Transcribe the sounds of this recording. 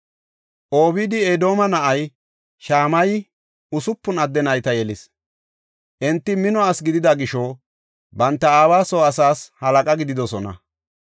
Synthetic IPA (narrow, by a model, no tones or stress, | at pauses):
ʔo̞ːbɪd̪ɪed̪o̞ːmɐnɐʔɐj | ʃaːmɐj | ʊsʊpːʊnɐd̪ːɛnɐjt̪ɐjɛlɪs | ʔɛnt̪ːɪmɪnɔaːsɡɪd̪ɪd̪aɡɪʃoː | bɐnt̪ːɐaːwaːsoːɐsaːshɐlɐkʼɐɡɪd̪ɪd̪ɔsɔnɐ̰